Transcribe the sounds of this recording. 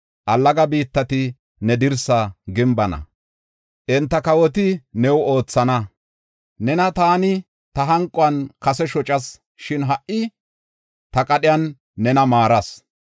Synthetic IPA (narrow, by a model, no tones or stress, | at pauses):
ʔɐlːɐɡɐbiːt̪ːɐt̪ɪ | nɛd̪ɪɾsɐɡɪmbɐnɐ̰ | ʔɛnt̪ːɐkɐwɔt̪̬ɪnɛwo̞ːt͡sːɐnɐ | nɛnɐt̪aːnɪ | t̪ɐɦɐŋkʼɔɐnkɐsɛʃɔt͡ʃʼɐs | ʃɪnɦɐʔʔɪ | t̪ɐkʼɐɗɪjɐnː | ɛnɐmaːɾɐs